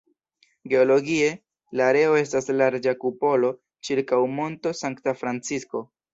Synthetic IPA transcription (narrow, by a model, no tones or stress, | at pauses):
ɡe̞o̞lo̞ɡie̞ | laːɾe̞o̞e̞staslaɾd͡ʒakupo̞lo̞ | t͡ʃiɾkawmo̞nto̞saŋktafɾant͡sisko̞